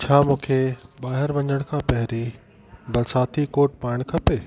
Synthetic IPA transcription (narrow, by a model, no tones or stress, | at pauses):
t͡ɕʰaːmũːkʰeɓaːɦɪɾʋɐ̃ɲəɽ̃kʰãːpɐɦɪɾi | bɐlsaːt̪ʰikoːɾʈ̚paːɽ̃kʰɐpeː